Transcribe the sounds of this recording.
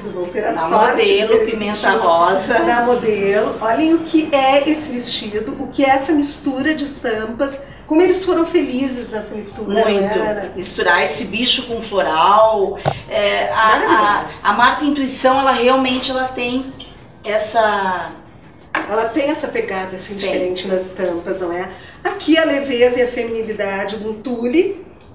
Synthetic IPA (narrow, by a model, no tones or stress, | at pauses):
d̪ʊopeɾɐnsɐmɔɾd̪elʊpimẽnt̪ahɔzɐnɐmod̪elʊɔʎẽj̃ʊkɪʔɛesɪvɪst͡ʃid̪ʊʔʊkɪɛɛsɐmist̪uɾɐd͡ʒɪst̪ɐ̃mpɐs | kõmʊelɪsfoɾɐ̃w̃felizɪznɛsɐmist̪uɾmɐũj̃t̪ʊɾɐmist̪uɾaesɪbiʃʊkõfoɾawɛaaɾɐɐmaɾk̪ɐĩnt̪uisɐ̃w̃ɛlɐheawmẽnt͡ʃɪɛlɐt̪ẽj̃ | ɛsɐ | ɛlɐt̪ẽj̃ɛsɐpeɡad̪ɐsĩd͡ʒifeɾẽnt͡ʃɪnɐzɪst̪ɐ̃mpɐznɐ̃w̃ɛakʰiɐlevezɐɪɐfemĩnilid̪ad͡ʒɪd̪ũt̪ulɪ